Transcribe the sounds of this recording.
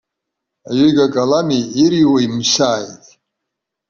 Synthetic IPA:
ajɥijɡakʼalamiiɾiwaimsaːjtʼ

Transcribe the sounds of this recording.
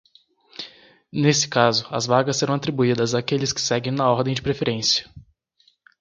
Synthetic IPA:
nesɪ̥kazʊɐ̰zvaɡɐsːeɾɐ̃w̃at̪ɾibuid̪ɐzaːkelɪskɪ̥sɛɡẽj̃nɐɔɾd̪ẽj̃d͡ʒɪpɾefeɾẽsiɐ̥

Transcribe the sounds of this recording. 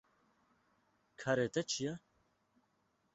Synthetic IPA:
kʰaɾeːt̪ɛt͡ʃʰijɛ

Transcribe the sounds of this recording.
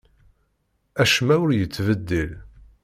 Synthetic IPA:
æʃmæwʊɾjət͡sːvəd̪ːəl

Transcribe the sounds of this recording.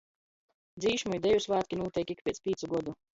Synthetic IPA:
d̪ziːʃmujd̪ɛjusvaːt̪ʲkʲinuːt̪ɛjkʲik̚pʲɛspʲiːt̪suɡɔd̪u

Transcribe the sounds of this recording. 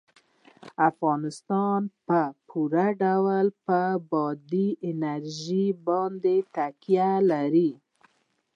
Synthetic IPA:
afɣɑnɪst̪ɑnpəpʰuɾaɖawlpəbɑd̪iɪnaɾʒibɑnd̪et̪akjalaɾi

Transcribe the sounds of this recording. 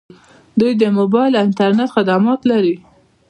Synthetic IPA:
d̪ujd̪əmobɑjlɪnt̪aɾnet̪xɪd̪amɑt̪laɾi

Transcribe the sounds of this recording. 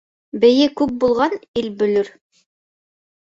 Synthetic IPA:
bɘ̆jɘkʉk̚bulˠʁɑnilbɵ̆lɵɾ

